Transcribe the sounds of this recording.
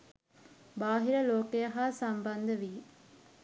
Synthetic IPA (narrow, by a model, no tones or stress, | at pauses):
baːɦiɾəloːkejəɦaːsamband̪əʋi